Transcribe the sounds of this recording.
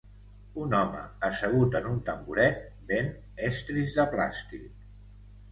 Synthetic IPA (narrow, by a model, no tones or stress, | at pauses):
unɔmə̰ːsəɣ̞ut̪ənunt̪əmbuɾɛt̪̚ | ben | ɛst̪ɾizðəpla̰st̪ik̚